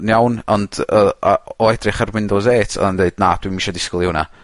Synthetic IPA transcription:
njawnɔndəɔɛdrɪχarwɪndɔzeːtʰɔ̰ndeɨd̥naːd̥wimiʃɔdɪsklˠɪwna̰

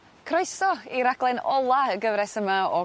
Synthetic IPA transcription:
kʰrɔjsɔiɾaɡlˠɛnɔlˠaəɡəvɾɛsəmaɔ

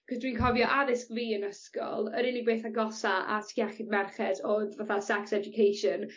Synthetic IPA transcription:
kʰɔzdwiːnkʰɔvjɔʔaðɪskviːənəskɔ̰lˠəɾɪnɪɡ̚beːθaɡɔsaʔa̰tʰjɛχɪdmɛrχɛdɔvaθasɛksɛd͡ʒʊkʰejʃɔn

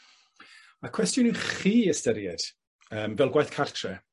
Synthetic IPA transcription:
akʰw̥ɛstjʊnuχiːəstəɾjɛd̥ | əːmvɛlˠɡwajθkʰartʰrɛ

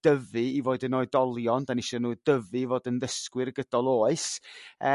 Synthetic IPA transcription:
d̥əvɨivoːɨdənoːɨdɔlˠjɔndaniʃɔnuːdəvɨvoːdənðəskwɪrɡədɔlˠoːɨsə

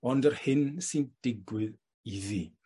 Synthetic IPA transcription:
ɔ̃ndəɾhɪnsind̥ɪɡwɪð | iði

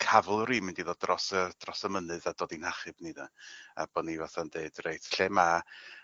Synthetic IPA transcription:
kʰavlˠɾimɪndiðɔdrɔsəd̥rɔsəmənɨðad̥oːdinhaχɨbniðaa̰b̥ɔnivaθandeɨd̥rejtʰɬɛma

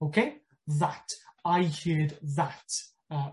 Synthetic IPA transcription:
okʰeɪ | ðataɪhiəd̪ðat | ə

